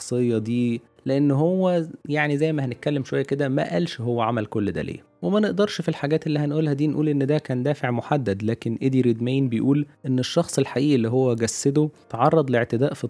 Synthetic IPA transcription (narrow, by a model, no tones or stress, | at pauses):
ɑsˤejːɑd̪iː | leʔenːɦowːæjaʕnizæjːmæhænet̪̚kælːemʃowæjːæked̪æmæ̰ʔælʃɦowːæʕamælkolːd̪æ̰ːlḛː | wemæneʔd̪ɑɾˤʃfilħaɡæːt̪elːihænʔuːlhæd̪iːnʔuːlʔenːd̪æːkæːnd̪æːfeʕmoħad̪ːæd̪læːkenʔed̪iɾed̪mæːnbejʔuːlʔenːeʃːɑxsˤelħaʔiːʔelːiːɦowːæɡæsːed̪ot̪ʕɑrˤːɑd̪ˤleʕt̪ed̪æːʔfi